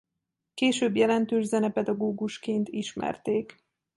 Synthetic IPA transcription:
keːʃøːbjɛlɛnt̪øːʒzɛnɛpɛd̪ɒɡoːɡuʃkeːnt̪iʃmɛ̰rt̪eːk

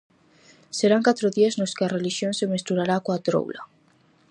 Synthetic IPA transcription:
seɾaŋkat̪ɾoðiaznoskɪareliʃjonsemest̪uɾaɾakoat̪ɾo̰wla̰

